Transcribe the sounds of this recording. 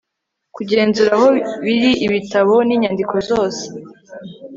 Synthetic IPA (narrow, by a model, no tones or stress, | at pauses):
kuɟe̞ːnzuɾaho̞βiɾiiβitaβo̞niːɲandikʰo̞zo̞ːse̥